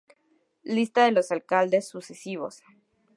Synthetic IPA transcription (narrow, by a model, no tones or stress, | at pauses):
list̪aðe̞lo̞salkald̪e̞sːuse̞siβ̞o̞̰s